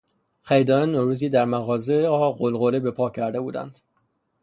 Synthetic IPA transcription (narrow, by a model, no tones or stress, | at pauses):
χæjd̪ɒːnenːoɾuːziːd̪æɾmæɣɒːzeɒːɢolɣolebe̞pʰɒːcʰæɾd̪e̞buːd̪æ̰nd̪̥